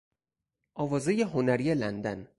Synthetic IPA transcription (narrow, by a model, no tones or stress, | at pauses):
ʔɒːvɒːzejeɦonæɾijelænd̪æn